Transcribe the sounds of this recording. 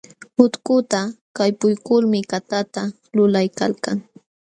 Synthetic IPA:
hʊt̪kʊt̪a | kajpʊjkʊlmɪkat̪at̪a | lʊlajka̰lkaŋ

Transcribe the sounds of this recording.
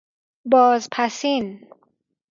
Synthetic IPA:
bɒːzpʰæsin

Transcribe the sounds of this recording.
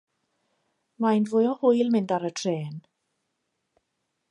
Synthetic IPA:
majnvʊjɔhʊjlˠmɪndaɾətʰreːn

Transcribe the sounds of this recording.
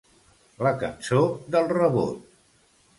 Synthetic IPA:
ləkə̰nsod̪əlˠrəβo̰t̪̚

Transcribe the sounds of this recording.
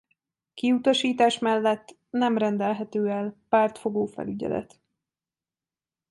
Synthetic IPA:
kiut̪ɒʃiːt̪aːʃmɛlːɛt̪ː | nɛmrɛnd̪ɛlɦɛt̪øːɛlpaːrt̪fo̞ɡoːfɛ̰lyɟɛ̰lɛ̰t̪

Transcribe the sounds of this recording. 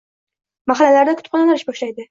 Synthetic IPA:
maχɑlalaɾd̪akʰʊ̥t̪pqʰɑnanaɾɪʃbɒʃlajd̪ɪ

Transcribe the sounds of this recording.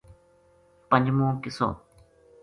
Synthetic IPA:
pɐnmõːkɪso̰ː

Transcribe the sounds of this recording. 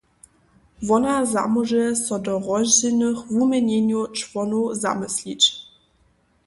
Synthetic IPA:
vɔnaza̰muʒɛsɔdɔʁɔʑɛnəxvumʲɛɲeɲjut͡ʂvɔnuza̰mɨslʲit͡ɕ

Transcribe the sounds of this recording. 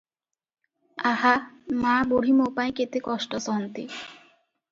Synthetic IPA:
ahamaboɽ̤imopajket̪ekɔʃʈɔsɔɦɔnt̪ḭ

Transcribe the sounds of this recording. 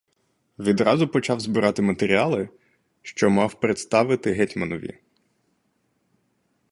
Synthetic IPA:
ʋʲid̪ɾɑzʊpɔt͡ʃɑwzbɪɾɑt̪ɪmɐt̪eɾʲiɑlˠɪ | ʃt͡ʃɔmɑwpɾet̪st̪ɑʋɪt̪ɪɦɛtʲmɐnɔʋʲḭ

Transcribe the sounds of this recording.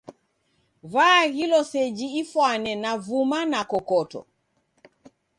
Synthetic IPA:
vaɣilɔsɛd͡ʒiifwanɛnavumanakɔkɔtɔ̰

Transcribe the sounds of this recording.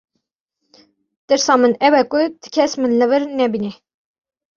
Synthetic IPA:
d̪̥ɨɾsɑːmɨnɛwɛkʊd̪ɨ̥kʰɛsmɨnlɨvɨɾnɛbinɛ

